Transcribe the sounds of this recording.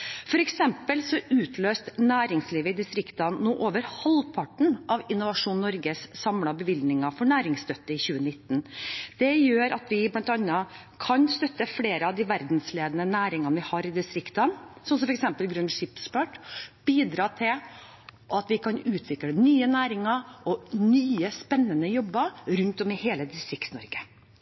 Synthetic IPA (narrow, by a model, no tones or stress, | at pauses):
fɔɾɛksɛmpəlsɔʉːt̪ʰløːst̪næːɾɪŋsliːʋəɪd̪ɪst̪ɾɪkt̪ənnːuːʔoːʋəɾhɑlpʰɑʈɳ̩ʔɑʋɪnʊʋɑʂuːnːɔɾɡəssɑmlɑbəʋɪld̪nɪŋɑfɔɳæːɾɪŋst̪œt̪ːəɪçʉːənɪt̪ːn̩d̪̥ɛjøːɾɑt̪ʋɪblɑnt̪ɑnːə | kʰɑnst̪œt̪ːəfɽeːɾəɑʋd̪ɪʋæɾd̪n̩sleːd̪ənənæːɾɪŋənʋɪhɑːɾɪd̪ɪst̪ɾɪkt̪ənsɔmsɔmfɔɾɛksɛmpəlɡɾʉnʂɪpspɑʈb̥iːd̪ɾɑːt̪ʰɪl | ʔɑt̪ʋɪkʰɑnʉːt̪ʰʋɪkɽənyːənæːɾɪŋɑɾɔnyːəspɛnːənəjɔbːəɾɾʉnt̪ɔmɪheːləd̪ɪst̪ɾɪkt̪snɔ̰ɾɡə